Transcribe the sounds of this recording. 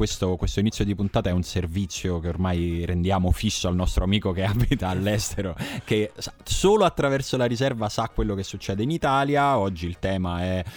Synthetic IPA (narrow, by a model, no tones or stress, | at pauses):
west̪okwest̪oinit̪jod̪ipunt̪aːt̪aɛunservit̪sːjokeormajɾend̪jaːmofisːoalnɔst̪ɾoamiːkokeaːbit̪aːlːɛst̪eɾok̟esasoːloat̪ːɾavɛrsolaɾizɛrvasakːwelːokesːut͡ʃːɛːd̪einit̪aːljaɔd͡ʒːiːlt̪ɛːmaɛ